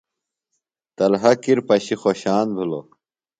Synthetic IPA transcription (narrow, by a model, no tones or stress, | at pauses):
t̪ɐlɦɐkiɾpɐɕixoːɕaːnbʱilo̰